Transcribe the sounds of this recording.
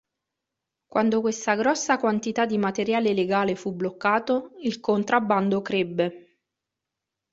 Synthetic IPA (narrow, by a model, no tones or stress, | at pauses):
kwʔand̪okwest̪aɡɾɔsːakwant̪it̪ad̪ːimat̪eɾjaːleleɡaːlefublokːaːt̪oilkont̪ɾabːand̪okɾebːe